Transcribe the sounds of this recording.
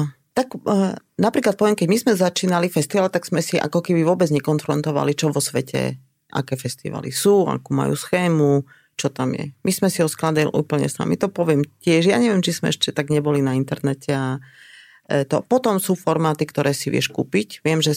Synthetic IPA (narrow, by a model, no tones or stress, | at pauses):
t̪ak | napɾiːklat̪̚pɔʋɪɛmkɛɟmizmɛzat͡ʃiːnalifɛst̪iʋaːlt̪aɡz̥mɛsiʔa̰kɔkɛbiʋʊɔbɛd͡zɲɛkɔnfɾɔnt̪ɔʋa̰lit͡ʃɔʋɔsʋɛcɛ̰ | ʔa̰kɛːfɛst̪ḭʋa̰lḭsuːa̰kuːma̰jṵːsxɛːmu | t͡ʃɔt̪amjɛ̰mismɛsiɦɔsklad̪ilʔṵːpl̩ɲɛ̰sa̰mḭt̪ɔpɔʋɪɛmcɪɛʃjaːɲɛʋɪjɛmt͡ʃizmɛ̰ɛʃcɛt̪aɡɲɛbɔlinaint̪ɛɾnɛcɛa | ɛt̪ɔpɔt̪ɔmsuːfɔɾmaːt̪ikt̪ɔɾɛːsiʋɪɛ̰ʃkṵːpicʋɪɛmʒɛ